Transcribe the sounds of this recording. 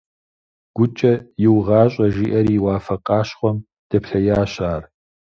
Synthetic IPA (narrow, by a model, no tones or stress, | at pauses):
ɡ̥ʷʊt͡ʃʼɐjɪwʁɑːɕʼɐʒiːʔɐɾiːwɑːfɐqʼɑːɕχʷɔm | d̥ɐpʰɬɐjaːɕaːr